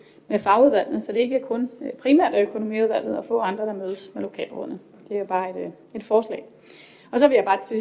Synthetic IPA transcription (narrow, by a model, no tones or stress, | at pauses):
mefɑ̈ʊuðˠʋæl̰d̥n̩ˠsɒ̽d̥e̝e̝ɡ̥əæɐkʰɔ̽npʰʁimæ̰ɐd̥æøkʰo̝no̝mḭːuðˠʋæl̰d̥ð̩ˠɒ̽fɔ̰̽ːɑ̈nd̥ʁɐɾ̥ɑ̈møːð̞ˠəsmelo̝kʰɛ̰ːlb̥ʁɔ̰̽n̩ | d̥e̝æjb̥ɑ̈ːe̝d̥ | e̝d̥fɒːslɛ̰ː | ɒ̽sɒ̽ʋe̝jäɪbɑ̈ːt͡sʰe